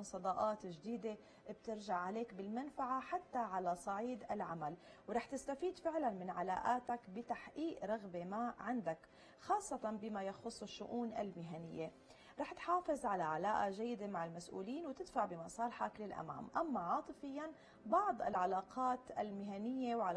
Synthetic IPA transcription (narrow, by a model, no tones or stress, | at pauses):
sˤɑd̪ˤɑʔɑːt̪ʒd̪iːd̪e | bt̪ɪɾʒaʕʕaleːkbɪlmanfaʕaħat̪ːaʕalasˤɑʕiːd̪ɪlʕamalwɾˤɑːħt̪ɪst̪afiːd̪fɪʕlanmɪnʕalaːʔaːt̪akbɪt̪aħʔiːʔɾˤɑɣbemaʕɪnd̪ak | xɑːsˤːɑt̪ɑnbɪmajaxʊsˤːɪʃːʊʔuːnʔa̰lmɪɦanɪjːe | ɾˤɑːħt̪ħɑːfɨzˤʕalaʕalaːʔaʒajːɪd̪emaʕɪlmasʔṵːliːnwt̪ɪd̪faʕbɪmɑsˤɑːlħaklɪlʔa̰ma̰ːmʔamːaʕɑːt̪ˤɨfɪjːan | bɑʕd̪ˤɪ̰lʕalaːqʰɑːt̪ʔa̰lmɪɦanɪjːewʕa